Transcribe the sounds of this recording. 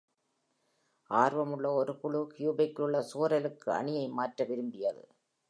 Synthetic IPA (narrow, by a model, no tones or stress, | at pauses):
aːɾʋɐmɯɭːɐɔɾɯpʊɭʊkjuːbɐɪkːɯɭːɐsuːɾɐlɯkːɯɐ̰ɳɪjɐɪmaːʈrɐʋɪɾɯmbɪjɐðɯ̰